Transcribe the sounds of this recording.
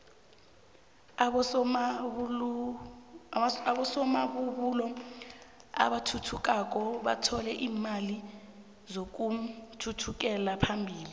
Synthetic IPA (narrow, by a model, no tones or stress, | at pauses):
ɓɔsɔmaɓuɓuːlɔ | a̰ɓatʰutʰuk̬ʼak̬ɔɓa̰tʰɔlɛʔiːmali | zok̬utʰutʰuk̬ɛlapʰambʱiːli